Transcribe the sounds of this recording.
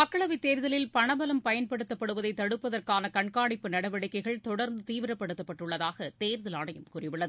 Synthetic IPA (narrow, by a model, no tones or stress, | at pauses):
ɐkːɐɭɐʋit̪eːɾðɐlɪlpɐɳɐbɐlɐmpɐjɐnpɐɽɯt̪ːɐpːɐɽɯʋɐðɐɪt̪ːɐɽɯpːɐðɐrkaːnɐkɐɳkaːɽɪpːɯnɐɽɐʋɐɽɪkːɐɪɣɐɭt̪ɔɽɐɾnd̪ɯt̪iːʋɪɾɐpːɐɽɯt̪ːɐpːɐʈːrɯɭːɐðaːɣɐt̪eːɾðɐlaːɳɐjɯmkuːrɪʋɯɭːɐðɯ